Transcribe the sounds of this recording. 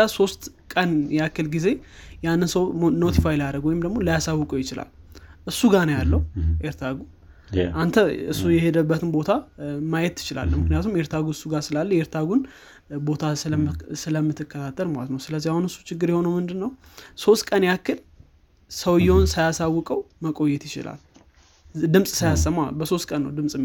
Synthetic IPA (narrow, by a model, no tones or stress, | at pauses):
aso̞st̪kʼənjakːɨlɡize̞ | janːɨnsəwno̞t̪ʰifajlaɾəɡwɔjɪmd̪əɡmo̞lijasawːʊkʼujɪt͡ʃɪla̰lʔɨsːuɡanəjalːəuʔeɾt̪ʰaɡu | ʔant̪ʰəɨ̰sːujɛhe̞d̪əbːət̪ɨnbo̞t̪ʰamajɛt̪ʰːɨ̥t͡ʃɪla̰lːəmɨknɨjat̪ʰumeɾt̪ʰaɡuɨsːuɡasɨlalːəjeɾt̪ʰaɡun | bo̞t̪ʰassɨləmːɨt̪ʰːɨkːət̪ʰat̪ʰːəlmalə̰t̪nəwsɨləzːihahunɨsːu̥t͡ʃɪɡːɨɾjɛho̞nəwmɨnd̪ɨnːəwso̞st̪kʼənjakːɨl | səwɨjːɛhonsajasawːʊkʼəwməkʼo̞jːɛt̪jɪt͡ʃɪ̰lʔa̰l | d̪ɨmsʼsajasəmːabəso̞st̪̚kʼənːə̰wd̪ɨmsʼɨ